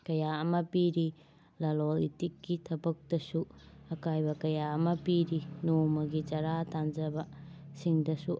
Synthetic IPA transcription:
kɐjaɐmɐpiɾi | lɐlolḭtikːitʰɐbɐk̚tɐsuɐkajbɐkɐjaɐmɐpiɾinomɐɡit͡ʃɐɾatand͡ʒɐbɐsiŋdɐsu

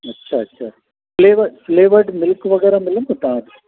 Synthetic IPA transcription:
ɐtːt͡ʃːaɐtːʃa | fleːʋɐɾfleːʋɐɾɖmɪlɯkːɯʋɐɣɐɾɐmɪlːɐmɐt̪ãːn

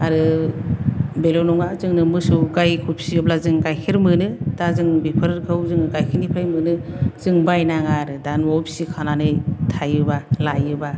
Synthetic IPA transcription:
aɾɯ | belɔnɔŋazɯŋnɯmɯsɯwɡajkʰupsiɔp̚lazɯŋɡajkʰiɾmɯnɯd̥azɯŋbipʰɯɾɾkʰɯwzɯŋɡajkʰinipʰajmɯnɯz̥ɯŋbajnaŋaɾɯdanwapsikʰananɯjtʰajɯbalajɯba

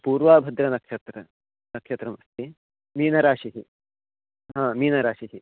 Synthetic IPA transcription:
puːɾʋaːbʱɐd̪ɾɐnɐkʃɐt̪ɾɐ | nɐkʃɐt̪ɾɐmɐst̪i | miːnɐɾaːʂiɦi | ɦãːmiːnɐɾaːʃiɦi

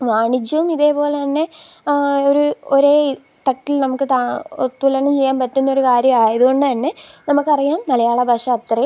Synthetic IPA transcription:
ʋaːɳit͡ɕːɐʋumiðe̞ːpo̞ːlet̪ɐnːe̞ | oɾuoɾeː | t̪ɐʈːilnɐmukːɨt̪at̪ulɐɳɐmt͡ɕe̞jːaːnpɐtːunːɐoɾukaːɾjɐmaːɐðuɣo̞ɳɖɨt̪ɐnːe̞nɐmukːɐrijaːmnɐlɐjaːɭɐbʱaːʂɐːt̪rɐj

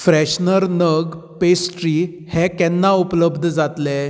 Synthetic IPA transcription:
fɾɛɕnəɾnəɡ | pesʈɾi | hɛ̃kɛnːaupləbd̪ʱd͡zat̪lɛ

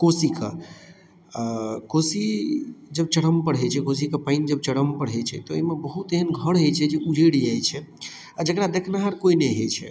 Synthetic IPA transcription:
kosika | kosid͡ʒəb̚t͡ʃəɽ̤əmpəɽɦɛt͡ʃʰɛkos̬ikapaɪnd͡ʒəb̚t͡ʃəɽəmpəɽ̤ɦɛt͡ʃʰɛ̰t̪ɔemebəɦut̪eɦənɡʱəɽɦet͡ʃʰɛd͡ʒeud͡ʒeɽiajt͡ʃʰɛ | ad͡ʒəkɾad̪ekʰnaɦəɾkoinɛɦet͡ʃʰɛ̰

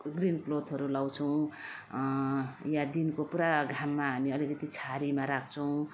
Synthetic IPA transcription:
ɡrinklod̪ɦʌɾulaw̃t͡sʰʌw̃ | jãd̪inkopuɾaɡʱamːaɦamiʌlikʌt̪it͡sʰaɾimaɾakʰt͡sʰʌw̃

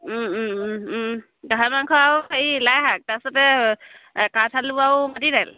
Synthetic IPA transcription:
ɡʱamaŋkʰɔawjlajɦak̚tasɔtɛ | katʰaluawmatiɾɛl

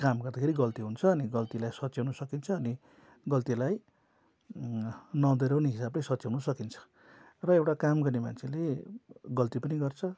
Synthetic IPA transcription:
kamɡʌrd̪akʰeɾiɡʌlt̪iɦunt͡sʰʌːniɡʌlt̪ilajsʌtːt͡sjawnʌsʌkint͡sʰʌːni | ɡʌlt̪ilaj | nʌd̪ʌɾawneɦisablesʌtːsauwnusʌkint͡sʰʌ̥ | rʌewʈakamɡʌrnema̰nt͡sʰeleɡʌlt̪ipʌniɡʌrt͡sʰʌ

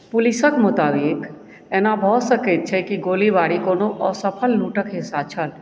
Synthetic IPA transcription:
pulisəkmʊt̪abik | enabʱɔsəkət̪̚t͡ʃʰɛkiɡolibaɽikonoʔɔsəpʰəlːuʈəkɦisat͡ʃʰəl

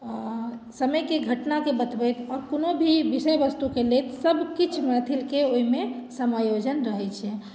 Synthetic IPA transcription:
səməjkeɡʱəʈnakebət̪bəjt̪ɔːɾkonobʱiʋisəjʋəst̪ukelet̪səbkit͡ʃʰmat̪ʰilkeoimesəmajod͡ʒənɾəɦɛt͡ʃʰɛ

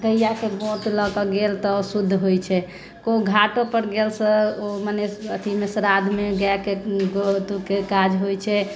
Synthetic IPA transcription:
ɡəjjakebot̪ləkəɡelt̪ɔosud̪ʱːɦojt͡ʃʰɛ | koɡʱaʈopəɾɡelsə̃omanesət̪ʰimesɾad̪ʱmeɡakeɡot̪ukekad͡ʒɦojt͡ʃʰɛ

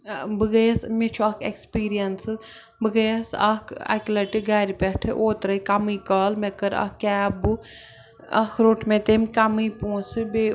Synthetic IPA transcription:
bɨɡɐjɐsmet͡ʃʰuɐkʰekspiːɾijɐnsɨ | bɨɡɐjɐsɐkʰɐ̰klɐʈiɡɐːɾipʲeʈʰɨ̰ʔoːt̪ɾɐjkɐmɨːkaːlmekɐɾɐ̰kːɛːbu | ɐ̰kʰɾoːʈʰmet̪emʲkɐmɨjpũːsɨbe

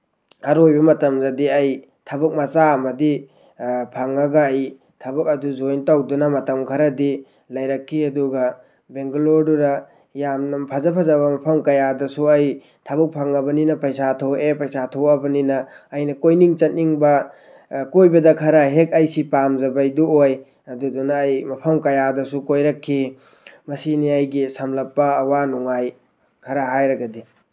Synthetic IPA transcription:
ɐɾojbɐmɐtɐmzɐdiɐj | tʰɐbɐk̚mɐsaɐmɐdi | pʰaŋɐɡɐːj | tʰɐbɐk̚ɐduzojntawdunɐmɐtɐmkʰɐɾɐdi | lɐjɾɐkʰːiɐduɡɐ | beŋɡuloɾduɾɐ | jamnɐmpʰazɐpʰazaβɐmɐpʰɐmkɐjadɐsuɐj | tʰabuk̚pʰaŋɐbɐninɐpɐjsatʰowepɐjsatʰɐwɐbɐninɐːjnɐkojniŋt͡ʃɐt̚niŋbɐ | kojbɐdɐkʰɐɾɐɦek̚ɐjsipamzɐbɐjduoj | ɐdudunɐːjmɐpʰɐmkɐjadɐsukojɾɐkʰːi | mɐsiniɐjɡisɐmlɐpːɐːwanuŋaj | kʰɐɾɐɦajɾɐɡɐdi

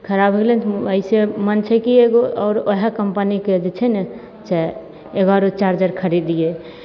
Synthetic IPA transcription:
kʰəɾabʱɦelenʰəisemənt͡ʃʰɛkieɡoɔːɾoɦekəmpəniked͡ʒet͡ʃʰɛnɛ | t͡ʃɛ | eɡaɾot͡ʃaɾd͡ʒəɾkʰəɾid̪ije

